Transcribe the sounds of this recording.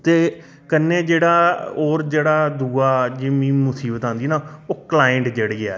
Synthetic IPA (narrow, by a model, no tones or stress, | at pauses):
t̪eː | kənːẽːd͡ʒeːɽaːoːɾd͡ʒeːɽaːd̪uːaːd͡ʒimĩːmʊsiːbət̪ãːnd̪iːnaːoːklaːəɳʈd͡ʒeɽɡɪa̰ː